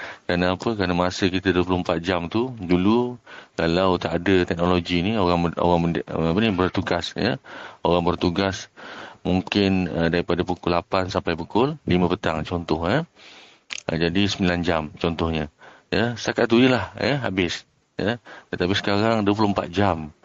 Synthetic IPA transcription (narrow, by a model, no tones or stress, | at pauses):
kɾanaapəkɾanamasəkit̪adwəp̬ulʊhmpat̪̚d͡ʒamt̪ud͡ʒulukalawt̪aadət̪ɛk̚noloɡinioɾaŋo̰ɾaŋənapənibərt̪uɡasjə̰oɾaŋbərt̪uɡasmuŋkɪnədaɾipadapukʊlapansampajpukʊllimə̃pət̪aŋt͡ʃɔnt̪ɔhɲə̰ | d͡ʒadisəmbiland͡ʒamt͡ʃɔnt̪ɔhɲə̃jəst̪akat̪̚d̪uɲəlahjəɦabɪs | jət̪ət̪abɪsə̥kaɾaŋduəp̬ulʊhmpa̰t̪̚d͡ʒam